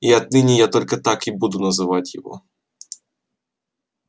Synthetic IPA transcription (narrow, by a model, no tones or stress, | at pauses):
iɐt̪̚nɪnʲijat̪ɔlʲkɐt̪akibud̪ʊnɐzɨvatʲjɪ̰vɔ̰